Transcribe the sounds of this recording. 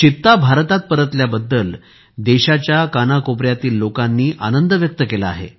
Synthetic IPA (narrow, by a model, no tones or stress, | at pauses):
t͡ɕit̪ːabʱaɾt̪at̪̚pəɾət̪ljabəd̪ːəl | d̪eɕat͡ɕjakanakopɾjat̪iːlːokanːiːʔa̰nənd̪əʋjək̚t̪əkelaa̰ɦḛ